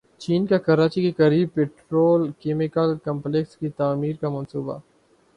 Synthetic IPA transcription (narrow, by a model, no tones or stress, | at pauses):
t͡ʃiːnkakɐɾaːt͡ʃikekɐɾiːb̚peːʈɾoːlkeːmɪkəlkɐ̃mpleːkskit̪aːmiːɾkamɐnsuːba̰